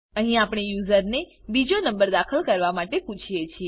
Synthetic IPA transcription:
əɦĩapɽ̃ejuzəɾnebid͡ʒonəmbəɾd̪akʰəlkəɾʋamaʈeput͡ʃʰijet͡ʃʰie

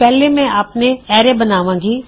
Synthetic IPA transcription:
pɛːlemɛ̃aːpneɛːɾebɐnaːʋãːɡiː

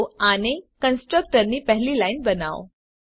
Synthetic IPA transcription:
añikənsʈɾək̚ʈəɾniːpəɦliːlainbəna̰ʋ

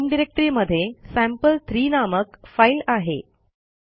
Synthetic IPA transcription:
mɖiɾek̚ʈɾiːməd̪ʱːjesæ̃mpəlt̪ʰɾiːnaməkfailaɦḛ

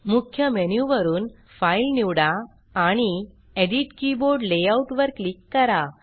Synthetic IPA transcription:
mukʰjəmenjuʋəɾuːn | failniʋɽaː | ɽ̃i | eɖiʈkiboɾɖleauʈʋəɾklikːəɾa

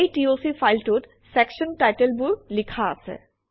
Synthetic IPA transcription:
ejʈiosifajlʈut | sɛkʃɔnʈajʈelbulikʰaa̰sɛ̰

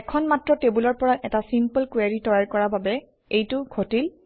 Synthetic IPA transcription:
ɛkʰɔnmatɹɔtebulɔɹpɔɹaʔɛtasimpəlkwaɹitɔjaɹkɔɹababɛ | ejtʊɡʱotil

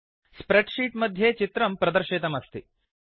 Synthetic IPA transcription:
spɾeʈʂiːʈmɐd̪ʱjeːt͡ʃit̪ɾɐmpɾɐd̪ɐɾʃit̪ɐmɐst̪i

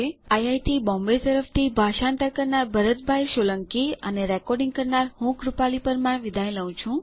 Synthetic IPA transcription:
eajajt̪ʰibɔ̃mbet̪əɾəft̪ʰibʱaʃãnt̪əɾkəɾnaɾbʱəɾət̪bʱajʃoləŋkiəneɾɛkɔɾɖĩŋɡkəɾnaɾhũɡɾupalipəɾmãʋid̪ʱaj̃ləũt͡ʃʰũ

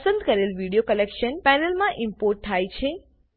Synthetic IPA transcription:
sə̃nd̪kəɾelʋiɽijokəlekʃənpɛnelmãʔɪmpoɾʈ̚t̪ʰːajt͡ʃʰe

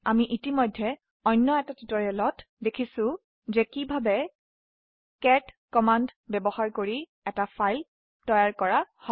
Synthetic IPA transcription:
amiʔitimɔjdʱːɛ | ɔjnːɔɛtatitɔjɛlɔt | dekʰisʊ̃ | zɛkibʱabɛ | kɛt | kɔmandbɛbɔhaɹkoɹi | ɛtapʰajl | tɔjaɹkɔɹahɔ

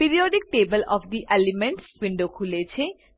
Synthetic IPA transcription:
piɾioɖik̚ʈebəlɔ̰fd̪iʔelimeɳʈswiɳɖokʰulet͡ɕʰe

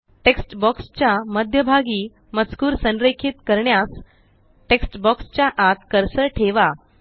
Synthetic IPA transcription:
ʈeksʈbɔkst͡ɕjaməd̪ʱjəbʱaɡiː | mət͡skuːɾsə̃nɾekʰiːt̪kəɾɳjas | ʈeksʈbɔkst͡ɕjaʔat̪kəɾsəʈʰeʋa

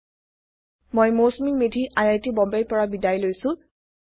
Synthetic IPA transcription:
mojmosmiŋmedʱiʔajajtibɔmbejpɔɹabidajlojsʊ̃

